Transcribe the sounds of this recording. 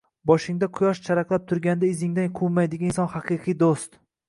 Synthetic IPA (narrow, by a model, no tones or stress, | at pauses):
bɒʃɪŋd̪aqʰʊjɒʃt͡ʃʰaɾaqlˠap̚t̪ʰʊɾɡʲand̪aɪzɪŋd̪anqʰumajd̪ɪɡʲanɪnsɒnhɑqʰɨqʰɨjd̪ost̪